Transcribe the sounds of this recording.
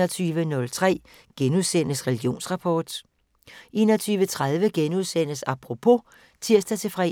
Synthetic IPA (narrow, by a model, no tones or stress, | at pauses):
ɒt͡sʰyːʋənɔ̽lt͡sʰʁɛ̰ː | ɡ̥enuðˠsen̰əsʁɛlɡ̥jo̝̰ːnsʁɑ̈pʰɒːd̥ | ʔe̝̰ːnɒt͡sʰyːʋət͡sʰʁað̞ˠʋəɡ̥enuðˠsen̰əsɑ̈pʰʁopʰo̝ | t͡sʰiɐ̰sd̥æt͡sʰe̝fʁɛ̰